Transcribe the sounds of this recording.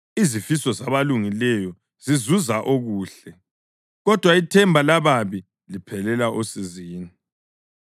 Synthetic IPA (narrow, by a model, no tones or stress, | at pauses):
izifisɔzaβaluŋilɛjɔ | zizuzaʔoɣuːɬɛ | ɣɔd̥ʱwaitʰɛmbʱalaβaβi | lipʰɛlɛlaʔosiziːni